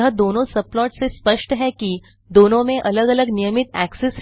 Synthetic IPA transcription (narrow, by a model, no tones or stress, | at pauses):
ɦəd̪onõsəplɔʈsespəʂʈɦɛki | d̪onõmẽʔələɡələɡnijəmit̪æ̰kses